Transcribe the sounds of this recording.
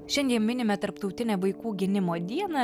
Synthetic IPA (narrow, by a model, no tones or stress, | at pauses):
ʃʲɛnʲd̪ʲiɛmmʲɪnʲɪmʲɛt̪ɐɾpt̪ɒʊt̪ʲɪnʲɛʋɐɪkuːɡʲɪnʲɪmoːd̪ʲiɛnɐ